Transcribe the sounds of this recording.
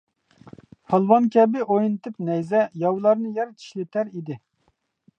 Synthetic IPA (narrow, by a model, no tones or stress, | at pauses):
hɑlˠwɑnkʲʰɛbɪʔojnɨt̪ʰɨpnɛjzɛjɑwlˠɑɾnɨjɛɾt̪ʰi̥ʃlɪt̪ʰæɾid̪ɪ